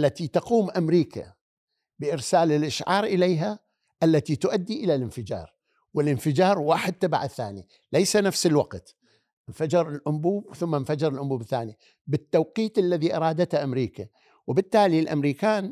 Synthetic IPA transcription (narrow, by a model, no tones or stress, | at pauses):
lːat̪it̪ɑquːmʔamɾiːka̰ | bɪʔɪɾsaːlɪlʔaʃʕɑːɾˤʔɪlejɦa | ʔalːat̪it̪ʊʔad̪ːiʔɪlalɪnfɪd͡ʒɑ̰ːɾˤ | wɪlʔɪnfɪd͡ʒɑːɾˤwaːħɪd̪̚t̪ːabaʕθːaːni | lajsanafsɪlwaqt̪ | nfad͡ʒɪɾɪlʔʊmbuːbθʊmːanfad͡ʒɪɾɪlʔʊmbuːbθːa̰ːni | bɪt̪ːawqiːt̪ʔalːaðiʔɑɾˤɑːd̪at̪haʔamɾiːka | wɪbɪt̪ːaːlilʔa̰mɾiːkaːn